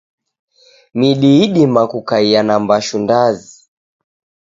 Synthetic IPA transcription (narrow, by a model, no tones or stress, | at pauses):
miɗiiɗimakukaianambaʃundazi